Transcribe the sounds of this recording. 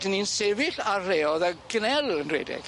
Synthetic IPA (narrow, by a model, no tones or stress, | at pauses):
dəninsevɪɬareːɔðaɡnɛlˠənrḛdɛ̰ɡ̥